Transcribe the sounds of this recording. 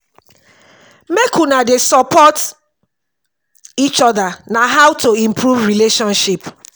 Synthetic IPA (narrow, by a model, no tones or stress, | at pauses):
mekunadesɔpʰɔt | it͡ʃɔdanaɦawtoĩmpʰɾuvɾileʃɔ̃nʃip